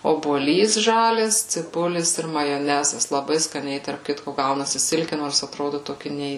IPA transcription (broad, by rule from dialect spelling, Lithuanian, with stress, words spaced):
oːbuɔˈlʲiːs ˈʒɑːlʲɛs t͡sʲɪˈbʊlʲɪs ɪr mɐjoːˈnʲæːzɐs lˠɐˈbɐɪ skɐˈnʲɛɪ tɐrp ˈkʲɪtkoː ˈɡɐʊnɐsʲɪ ˈsʲɪlʲkʲɪ ˈnoːrs ɐˈtroːdʊ toːˈkʲɪ ˈnʲɛɪ